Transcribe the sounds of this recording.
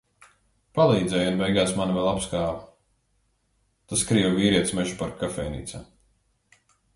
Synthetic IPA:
palˠiːd̪zɛjunbɛjɡaːsmanvɛlˠapskaːv | t̪askɾiːvviːɾiɛt̪smɛʒupaɾkafɛjnḭːt̪sa̰

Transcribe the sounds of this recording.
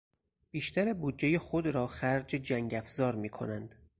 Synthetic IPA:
b̥iːʃt̪ʰæɾebuːd̪d͡ʒejexo̞d̪ɾɒːχæɾd͡ʒed͡ʒæŋɟæfzɒːɾmiːkʰo̞̰nænd̪̥

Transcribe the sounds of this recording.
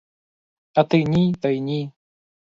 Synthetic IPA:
ɐt̪ɨnʲit̪ɐjnʲi

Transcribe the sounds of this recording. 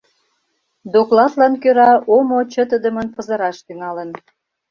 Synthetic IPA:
d̪oklɑd̪lɑnkøɾɑomot͡ɕə̆t̪əd̪əmənpəzə̆ɾɑʃt̪yŋɑlə̆n

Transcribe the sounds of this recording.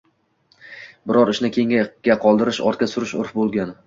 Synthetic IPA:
bɪɾɒɾɪʃnɪkʲʰeŋaɡ̥ʲaqʰɒlˠd̪ɪɾɪʃɒ̰ɾt̪̚kʲasʊɾɪʃʊ̰ɾfbolˠɡʲan

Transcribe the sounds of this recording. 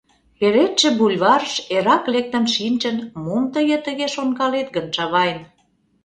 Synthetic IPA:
eɾet̪ʃĕbulʲβɑɾəʃeɾɑklek̚t̪ə̆mʃinʲt͡ɕə̆nmomt̪ə̆jə̆t̪ə̆ɣeʃoŋkɑlet̪ɡə̆nʃɑβɑjən

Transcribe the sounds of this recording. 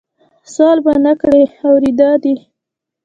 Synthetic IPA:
sɑlbanakɽeawɾid̪ɑd̪i

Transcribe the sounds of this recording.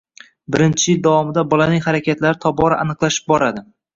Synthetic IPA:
bɪɾɪnt͡ʃʰɪld̪avɒmɪd̪abɒlanɪŋhaɾakʲʰat̪laɾɪt̪ʰɒbɒɾaʔanɨqlˠaʃɪ̥p̚bɒɾad̪ɪ

